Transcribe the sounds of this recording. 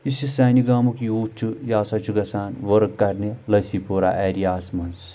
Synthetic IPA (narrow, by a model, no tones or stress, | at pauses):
isisaːniɡaːmukiuːt͡ʃʰujaːsɐt͡ʃʰuɡɐsaːnʋɐɾkːɐɾnilɐsipʰoːɾa̰ːʔeːɾijaːsmɐns